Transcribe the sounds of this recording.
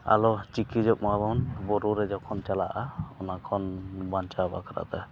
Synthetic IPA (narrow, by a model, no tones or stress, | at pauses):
a̰lɔt͡ʃikid͡ʒɔk̚mabɔnbɔɾuɾɛd͡ʒɔkʰɔnt͡ʃalaʔaɔnakʰɔnbant͡ʃaɔba̰kaɾa̰t̪a